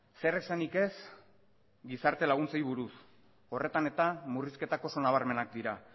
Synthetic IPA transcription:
seresanike̞s | ɡisaɾt̪e̞laɣ̞unt͡sejβuɾus | o̞re̞t̪ane̞t̪amuriske̞t̪ako̞so̞naβ̞aɾme̞nakd̪iɾa

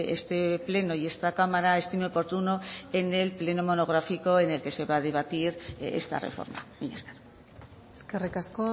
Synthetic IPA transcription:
ḛst̪e̞ple̞noie̞st̪akamaɾae̞st̪imeopo̞ɾt̪unoe̞ne̞lple̞nomo̞no̞ɣ̞ɾafiko̞e̞ne̞lke̞se̞βað̞e̞β̞at̪iɾḛst̪a̰rḛfo̰ɾma̰miɲa̰skaɾo | eskerikasko

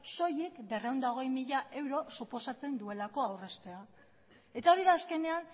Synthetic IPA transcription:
so̞jikbe̞rewnd̪aoɣe̞jmiʎaʔe̞wɾo̞supo̞sat͡se̞nd̪ue̞lako̞awre̞st̪e̞a | e̞t̪ao̞ɾiðaːske̞ne̞an

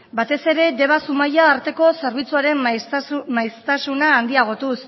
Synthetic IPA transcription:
bat̪e̞se̞ɾe̞d̪e̞βasumajaːɾt̪e̞ko̞se̞ɾβ̞it͡suaɾe̞m | majst̪asunaːnd̪iaɣ̞o̞t̪us

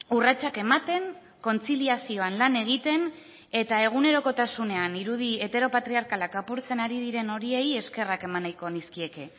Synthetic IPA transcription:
urat͡sake̞mat̪e̞ŋ | ko̞nt͡siliasio̞anlane̞ɣ̞it̪e̞n | e̞t̪ae̞ɣ̞une̞ɾo̞ko̞t̪asune̞aniɾuðie̞t̪e̞ɾo̞pat̪ɾiaɾkalakapuɾt͡se̞naɾið̞iɾe̞no̞ɾie̞je̞ske̞rake̞manajko̞niskie̞ke̞

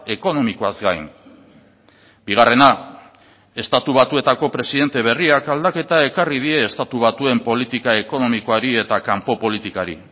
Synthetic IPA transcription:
e̞ko̞no̞mikoazɡajn | biɣ̞are̞na | e̞st̪at̪uβ̞at̪ue̞t̪ako̞pɾe̞siðe̞nt̪e̞β̞e̞riakald̪ake̞t̪ae̞karið̞ie̞ːst̪at̪uβ̞at̪ue̞mpo̞lit̪ikaeko̞no̞mikoaɾie̞t̪akampo̞po̞lit̪ikaɾḭ

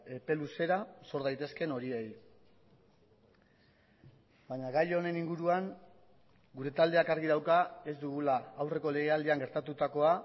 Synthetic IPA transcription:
e̞pe̞luse̞ɾaso̞ɾðajt̪e̞ske̞no̞ɾiej | baɲaɣajo̞ne̞niŋɡuɾuaŋ | ɡuɾe̞t̪ald̪e̞akaɾɣiðawkae̞zd̪uɣulaːwre̞ko̞le̞ɣ̞eald̪iaŋɡe̞ɾt̪at̪ut̪ako̞a

